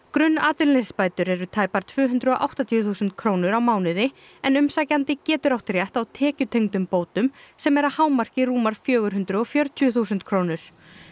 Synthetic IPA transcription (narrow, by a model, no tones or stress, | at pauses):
kɾʏnːaːt̪ɪllɛsspaːjt̪ʏɾɛɾʏt̪ʰaːjpaɾ̥t̪ʰv̥ʏːɦʏnt̪ɾʏɔʔa̰wht̪at̪ʰiːθuːsʏnt̪̚kʰɾoːwnʏɾawmaːwnɪðɪ | ɛnʏmsaːcant̪ɪcɛːt̪ʏɾawt̪ɾjaht̪awt̪ʰɛːcʏt̪ʰejŋt̪ʏmpoːwt̪ʏmsɛmɛɾahaːwmar̥cɪruːmaɾ̥fjœːɣʏɾɦʏnt̪ɾʏɔfjœɾt̪ʰjʏθuːsʏnt̪kʰɾoːwnʏɾ̥